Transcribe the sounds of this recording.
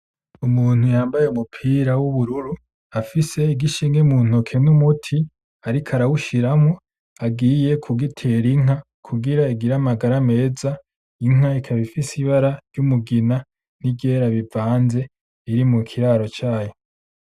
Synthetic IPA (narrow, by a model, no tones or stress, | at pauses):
umuːn̥hujaːmbajeumupʰiːɾawuβuɾuɾu | afise̞iɡiʃiːŋɡemun̥okʰe̞numutʰi | aɾikʰaɾawuʃiɾamo | aɡiːje̞kʰuɡitʰe̞ɾiŋ̥a | kʰuɡiɾaiɡiɾamaɡaɾame̞ːza | iŋ̥aikʰaβifisiβaɾaɾjumuɡina | nibɟe̞ɾaβivaːnze̞ | iɾimukʰiɾaːɾo̞t͡ʃaːjo̞